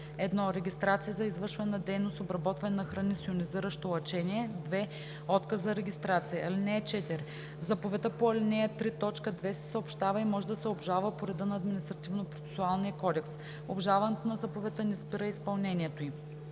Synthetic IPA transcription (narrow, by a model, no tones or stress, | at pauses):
ɛd̪nɔɾɛɡʲist̪ɾat̪sijəzɐizvɤɾʃvɐnɛnɐd̪ɛjnost̪obɾɐbɔt̪vɐnɛnɐxɾɐnisioniziɾəʃt̪oɐt͡ʃɛniɛd̪vɛ | ɔt̪kəzɐɾɛɡʲist̪ɾat̪sijɐɐlinɛt͡ʃɛt̪iɾ | zapovɛt̪əpoɐlinɛɛt̪ɾit̪ɔt͡ʃkəd̪vɛsɛ̥sɐopʃt̪avɐimɔʒɛd̪ɐsɛobʒalˠvəpoɾɛd̪ənːd̪minist̪ɾɐt̪ivnopɾot̪sɛ̥sʊalˠnijəkɔd̪ɛks | obʒalˠvɐnɛt̪onɐzapovɛt̪ənɛspiɾəispɐlˠnɛniɛt̪oi